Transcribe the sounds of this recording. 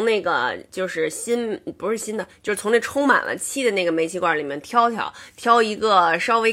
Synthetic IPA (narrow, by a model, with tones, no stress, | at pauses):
ŋne˥˩ɪɡə̰˩t͡ɕjo˥˧ʊʂɻ̩˥˩ɕi˥npu˧˥ʂɻ̩˥˩ɕi˥nd̪ə˨t͡ɕjo˥˧ʂɻ̩ʰ˥˩˧ne˥˩ʈ͡ʂʰʊ˥ŋma̰˨˩nlʔə̰˦t͡ɕʰi˥˩d̪ə˩˦ne˥˩ɡə˩me˧˥ɪt͡ɕʰi˧˥kwa˥˩li˨˩mjɛ˥nt̪ʰjɑ˥ʊt̪ʰjɑ̰˨˩˦ʊt̪ʰjɑ˥ʊi˧˥ɡə˧ʂɑ˥ʊwe˥